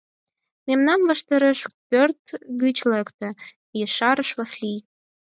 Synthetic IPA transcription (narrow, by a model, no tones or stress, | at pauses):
memnɑnləʃt̪eɾeʃpørt̪ɣyt͡ɕlekt̪ə̆ | jeʃɑɾəʃβɑslij